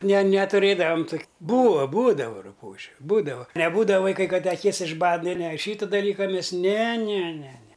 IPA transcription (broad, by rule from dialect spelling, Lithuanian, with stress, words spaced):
nʲɛ nʲɛtʊˈrʲeːdɐʋɐm toːkʲ ˈbuːɐ ˈbuːdɐʋɐ rʊˈpuːʒʲʊ ˈbuːdɐʋɐ nʲɛˈbuːdɐʋɐ ˈʋɐɪˈkɐɪ ˈkɐt tʲɛ ɐˈkʲɪs ɪʒˈbɐt ˈnʲɛ nʲɛ ˈʃʲiːtɐ dɐˈlʲiːkɐ ˈmʲɛs nʲɛ nʲɛ nʲɛ nʲɛ